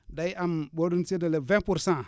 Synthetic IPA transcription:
daiambodunsidalevɛ̃puɾsã

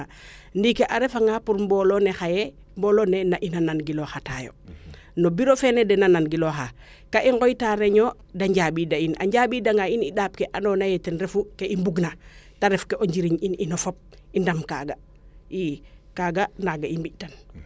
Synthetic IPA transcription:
ndikeʔaɾɛfaŋɡapuɾmbɔlonexajɛ | mbɔlonenaʔinananɡiloxataːjo̰ | nobiɾofɛnedɛnananɡiloxa | kaʔiŋɡɔjtaɾeɲo | daɲɟabidaina̰ɲɟaɓidaŋɡainiɗaːp̚keʔanonajɛtenɾefukeimbuɡnataɾɛfkeʔoɲd͡ʒiɾiɲininofop̚indamka̰ːɡa | ikaɡanaɡaimbiʔtan

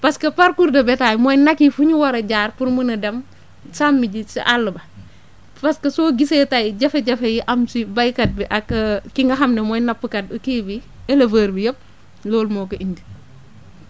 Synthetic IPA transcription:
pɐskɐpaɾkuɾdɐbɛtaːjmɔːjnakifuɲuwɐɾɐɟaːɾpuɾmunɐdɐm | samːiɟisḭʔalːɐbɐ | pɐskɐsoːɡisetajɟɐfeɟɐfejiʔɐmsibajkɐt̚biʔɐkɐkiŋɡɐɦɐmnɐmɔjnɐpːəkɐt̚ɐkiːbi | ɛlɐvəːɾbijop̚ | lɔːlmɔːkɐʔiɲdi

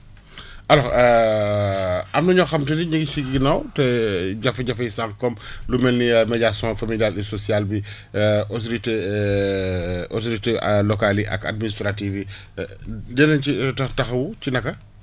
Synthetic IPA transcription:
ɐlɔ | ɐmnɐɲɔxɐmtidiɲəɡisiɡɡinawtɛɟɐfɐɟɐfɐjsaŋkkɔmlumɛlnimɛɟasɔ̃fɐmiljalisɔsialbi | ɔsɾitɛ | ɔt̬ɾitelɔkaliʔɐ̰ka̰d̚ministɾativi | dɛnɐnt͡ʃitɐtɐxɐwut͡ʃinɐkːɐ

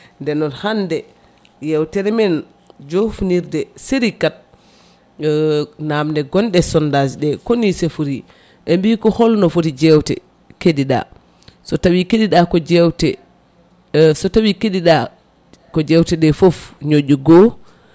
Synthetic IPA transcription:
ndɛnɔnhandɛ | jɛwtɛɾɛmɛn | d͡ʒofuniɾdɛseɾikat̚ | namndɛɡɔnɗɛsɔndasɗɛkonisɛfuɾi | ʔɛmbikɔhɔlnɔfuɾid͡ʒɛwtɛ̰ | kediɗa̰ | sɔtawikeɗiɗakɔd͡ʒɛwtɛ | sɔtawikeɗiɗa | kɔd͡ʒɛwtɛɗɛfofɲod͡ʒuɡɔ

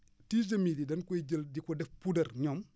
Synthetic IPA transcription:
tiːzɐmididɐnkɔjɟəldikɔdɛfpudɐrɲɔm

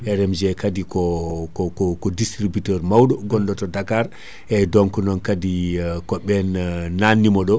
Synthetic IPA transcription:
ɛɾɛmd͡ʒɛkadikɔkɔkɔkɔdistɾibitɛɾmawɗɔɡɔnɗɔtɔdakaɾ | ʔɛdɔŋkɔnɔnkadikɔɓɛnːanːimɔɗɔ

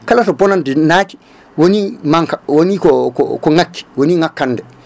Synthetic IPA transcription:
kalasɔbɔnandinaːti̥ | wonimaŋkawonikɔkɔ̰kɔŋakːi̥woniŋakːanːdɛ

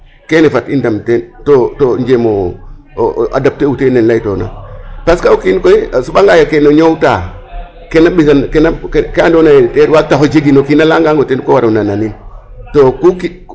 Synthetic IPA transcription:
kenefatindamtentotoɲd͡ʒemo | ʔa̰dap̚teutenenlajtona̰paskaukinkoisuɓaŋɡajakenoɲowta | kenabisankenakkandonajteɾwatahod͡ʒeɡinokinalaŋɡaŋɡotenkowaɾunananin | tokuki

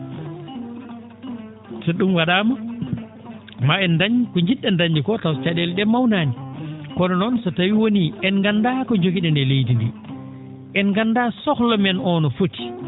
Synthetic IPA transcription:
sɛɗumwaɗaːma | maɛndaɲkɔɲd͡ʒiɗːɛndaɲd͡ʒikɔtawt͡ʃaɗɛlɗɛmawnaːnikɔnɔnɔnsɔtawiwoniɛnɡandakɔd͡ʒoɡiɗɛndɛlejdindḭ | ʔɛnɡandasɔklɔmɛnɔnɔfoti̥

